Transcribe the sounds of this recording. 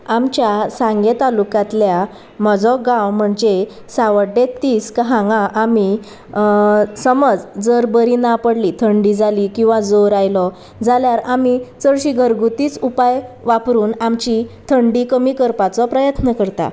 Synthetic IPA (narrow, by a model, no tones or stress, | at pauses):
amt͡ɕjasãŋɡet̪alukãt̪lja | məd͡zɔɡãwm̤əɳd͡ʑe | saʋəɖet̪ːiːskəɦãŋɡãʔami | səməd͡zd͡zəɾbəɾinapəɽlit̪ʰəɳɖid͡zalikĩw̃ʋad͡zoɾajlɔ | d͡zaljaɾamit͡səɾɕiɡʱəɾɡut̪iːt͡supajʋapɾuːnamt͡ɕit̪ʰəɳɖikəmiːkəɾpat͡sɔpɾəjət̪nəkəɾt̪a̰